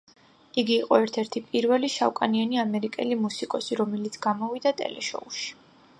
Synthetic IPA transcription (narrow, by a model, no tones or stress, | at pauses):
iɡiːqʼɔɛɾt̪ʰɛɾt̪ʰipʼiɾvɛliʃawkʼanianiamɛɾikʼɛ̰limusikʼɔsiɾɔmɛlit̪sʰɡamɔvid̪at̪ʼɛ̰lɛ̰ʃɔ̰uʃi̥